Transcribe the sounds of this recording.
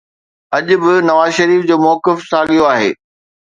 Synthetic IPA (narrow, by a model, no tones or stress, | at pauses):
ɐʄʊbɪnɐʋaːzʃɐɾiːfd͡ʑoːmɔːkɪfsaːɠijoaːɦḛː